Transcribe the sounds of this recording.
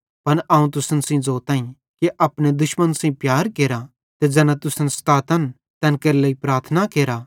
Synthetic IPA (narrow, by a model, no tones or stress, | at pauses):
pɐnʔaːũt̪̬ʊsənsĩd͡zoːt̪aːĩ | keʔɐpñed̪ʊʃmənsĩːpjaːɾkeːɾa | t̪ed͡ʒɐnãt̪ʊsənst̪aːt̪ən | t̪ɛ̃ːnkɐɾilɐipɾaːɾt̪ʰnakeːɾa